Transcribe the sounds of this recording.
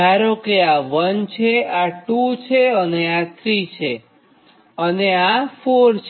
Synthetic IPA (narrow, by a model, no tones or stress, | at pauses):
aɾokeaʋənt͡ʃʰeaʈut͡ʃʰeəneat̪ʰɾit͡ʃʰe | əneafoɾt͡ʃʰ